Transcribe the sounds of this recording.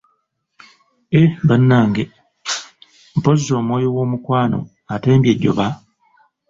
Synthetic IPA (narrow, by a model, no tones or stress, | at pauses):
ebanːaːŋɡe | m̩pozizo̞ːmwo̞ːjowo̞ːmukwaːno̞̰ | ate̞ːmbjeɟːo̰βa